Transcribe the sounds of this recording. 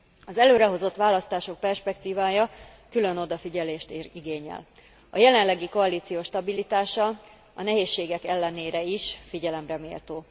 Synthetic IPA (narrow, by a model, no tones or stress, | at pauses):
ɒzɛløːɾɛɦo̞zo̞t̪ʋaːlɒst̪aːʃo̞k̚pɛrʃpɛkt̪iːvaːjɒkyløno̞d̪ɒfiɟɛleːʃt̪iɡeːɲɛ̰l | ɒjɛlɛnlɛɡiko̞ɒliːt̪sijoːʃt̪ɒbilit̪aːʃɒ | ɒnɛɦeːʃːeːɡɛkɛlːɛneːɾɛiʃfiɟɛlɛmrɛmḛːlt̪oː